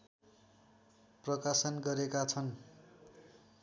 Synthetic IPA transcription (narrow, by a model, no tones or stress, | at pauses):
prʌkasʌnɡʌɾekat͡sʰʌn